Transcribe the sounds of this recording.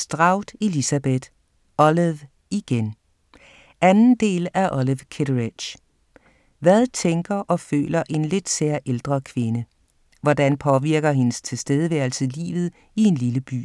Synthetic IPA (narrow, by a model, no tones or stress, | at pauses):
sd̥ʁɑ̈ʊ̰d̥e̝lisæb̥ed̥ | ɒ̽leʋ | iɡ̥en | ænn̩d̥e̝̰ːlæɐʔɒliʋkʰeɾʁid̥ɕ | ʋæðˠt͡sʰeŋɡ̥ɐʔɒ̽fø̰ːlɐʔe̝nle̝d̥seɐʔeld̥ʁɐkʰʋe̝nə | ʋɒd̥ænpʰɒ̽ʋiɐɡ̥ɐɦe̝nəst͡sʰe̝lsd̥eːð̞ˠəʋæɐ̰l̩səlḭːʋð̩ˠ | ie̝nliləb̥y̰ː